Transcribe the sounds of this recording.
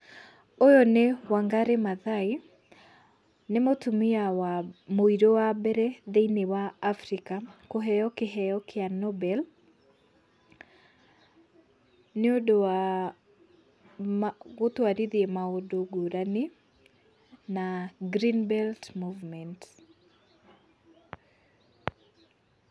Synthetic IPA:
ojonewaŋɡaɾemaðai | nemotumiawamoiɾowabɛɾɛðeinewaːfɾikakoɦɛɔkɪɦɛjɔkʰɪanɔbɛl | neodoa | ot̪oaɾiðiemaodoɡoɾani | naɡɾinbɛltmuvmɛnt

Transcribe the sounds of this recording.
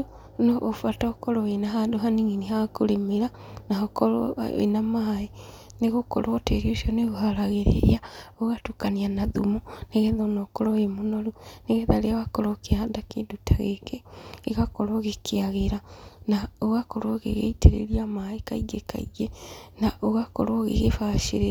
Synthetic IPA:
noʔːfuatakɔɾɔenaɦandoɦaniŋinihakolemeɾa | naokɔ̰ḛnamae | neɣokɔ̰ɾɔteɾioʃioneɣohaɾaɣeɾḛaoɣatukanianaðumuneɣɛðonɔkoɾɔemonoɾuneɣɛðaɾeaβakɔɾokeaadakedutʰaɣekeeɣakɔɾoɣekʰeaɣeɾanaoɣakɔɾoɣḛɣḛiteɾḛɾiamaekaiɡeka̰iɡenaʔoɣakɔ̰ɾɔɣḛɣefaʃeɾe

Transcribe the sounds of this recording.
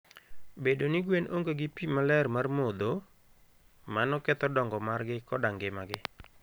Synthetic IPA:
bedonɪɡwenoŋɡoɡɪpimalɛrmarmod̪o | manɔkɛt̪ɔdɔŋɡɔmarɡɪkɔdaŋɡɪmaɡɪ

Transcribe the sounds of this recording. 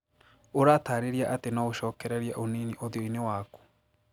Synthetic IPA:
oɾataːɾeɾiaʔatenaoʃɔːkɛɾɛɾjaʔoniniʔoðjoinewaːku̥

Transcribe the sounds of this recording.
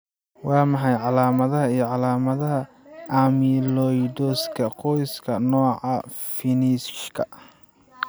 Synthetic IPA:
wɑːmɑħɑjʕɑlaːmɐðɐɦɐijɞʕɑlaːmɐðɐɦɐ | ɐmilɔjd̪ɔskʰɐqɔjskʰɐnɔːʕɑ | fɪnisʃkʰɐ

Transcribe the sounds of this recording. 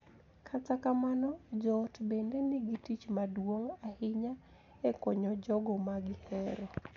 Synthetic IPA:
kʰatakamanɔd͡ʒɔːtbendenɪɡitit͡ʃmadwoŋahɪɲa | ekɔɲɔd͡ʒɔɡɔmaɡɪhɛɾɔ

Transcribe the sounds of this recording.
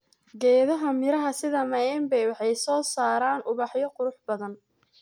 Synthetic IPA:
ɡɛːðɐɦɐmɪɾɐɦɐsɪðɐmɐɛːmbɛjwɑħɑjsɔːsaːɾaːnʔʊβɑħjɔqʊɾʊħbɐðɐn

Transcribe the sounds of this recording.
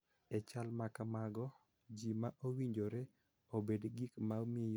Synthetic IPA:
ɛt͡ʃalmakamaɡɔ | d͡ʒimaʔowiɲd͡ʒoɾe | obedɡikmaomɪej

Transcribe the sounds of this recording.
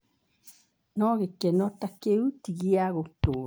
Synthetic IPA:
nɔɣekɛnɔtakeutiɣiaɣoto

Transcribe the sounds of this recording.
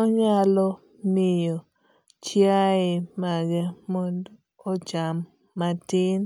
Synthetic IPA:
ɔɲalɔ | mɪjo | t͡ʃjaɪmaɡɛmond | ot͡ʃamː | atɪn

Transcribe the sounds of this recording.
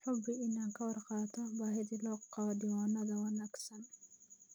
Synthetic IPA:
ħʊbɪʔɪnaːŋkʰɐwɑrqɑːt̪ʰɔbaːɦɪðiːlɔːqɑɐdɪwɔnɐðɐwɐnaːɡsɐn

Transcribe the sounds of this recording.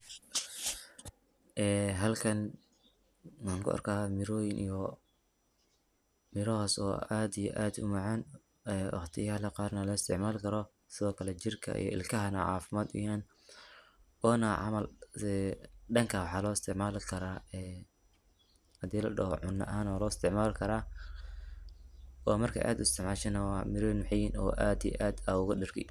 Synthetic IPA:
ʔɛːɦɐlkʰɐn | wɑħŋkʰʊ̰ɐ̰rkʰahamɪɾɔːjɪnijɔ | mɪɾɔɦɐsɔ̰ːʔaːd̪ijɔ̰ʔaːd̪ʊmɑʕɑːn | ɛːwɑ̰χt̪ʰɪjhɐlɐqɑːrnɐlɔɪst̪ʰɪʕmaːlkʰɐɾɔ | sɪðɔːkʰɐlɛt͡ʃɪrkʰɐ̰ḭjɔ̰ʔɪ̰lkʰɐɦɐnɐ̰ʕɑ̰ːfɪmaːd̪ɪ̰hɛːn | ɔːnɐʕɑ̰mɐlɛɖɐŋkʰɐwħɑːlɔːɪst̪ʰɪʕmaːlɪkʰɐɾaːɛː | hɐd̪iːlɐ̰ɖɔhɔ̰ʕʊnːɐ̰ʔaːnɔːlɔːɪst̪ʰɪʕmaːlkʰɐɾaː | ʔɔːmɐrkʰɐ̰ʔa̰ːd̪ʊɪst̪ɪʕmaːʃɐnɐwɑmɪɾnħɪjɪnɔ̰ːʔaːd̪ḭj̰ʔaːd̪ɐʊɣʊɗɪrkʰɪ̰

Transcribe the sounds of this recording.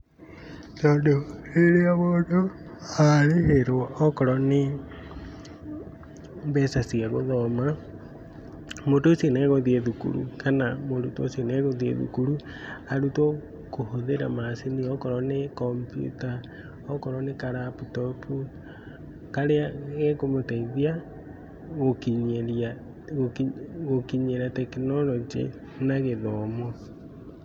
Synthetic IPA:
todoeɾeaβodo | aɾeheɾoɔkɔɾɔne | βɛsasiaɣoðɔma | modosieneɣoðieðukṵɾṵkanamoɾutoseneɣoðiḛðṵkuɾu | aɾuto | kohoðeɾa̰maseniɔkɔɾɔnekɔmpjṵta | ɔkɔɾɔnekaɾaputɔpʰu | kaɾeaɣekomotaiðia | ɣokiɲeɾia | ɣoɣokiɲeɾatɛkinɔɾɔd͡ʒḛ | naɣeðɔmɔ

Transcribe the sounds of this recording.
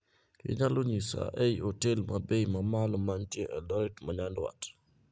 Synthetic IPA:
kɪ̰ɲaloɲisa̰ʔɛjotelmabejmamalɔmantjɛʔɛdɔɾɛtmaɲandwa̰t

